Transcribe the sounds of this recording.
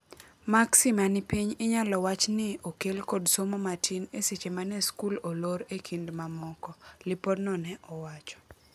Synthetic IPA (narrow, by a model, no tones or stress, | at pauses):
maksimanɪpiɲɪɲalɔwat͡ʃnɪokelkodsomomatʰineset͡ʃemanɛskuloloɾekʰindmamɔkɔlɪpɔdnɔnɛʔɔwat͡ʃɔ̥